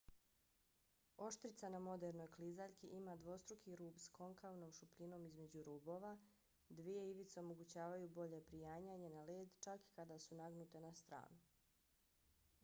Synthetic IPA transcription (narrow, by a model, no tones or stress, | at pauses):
o̞ʃt̪ɾit̪sanamo̞d̪e̞ɾno̞jklizaʎkiʔimad̪ʋo̞st̪ɾukʰiɾuːbsko̞ŋkaʋnomʃupʎino̞mizme̞d͡ʑuɾuːbo̞ːʋa | d̪ʋije̞iʋit̪seo̞mo̞ɡut͡ɕaːʋajubo̞ʎe̞pɾijaːɲaɲe̞naleːd̪t͡ʃaki̥kad̪asunaɡnut̪e̞nast̪ɾa̰ːnu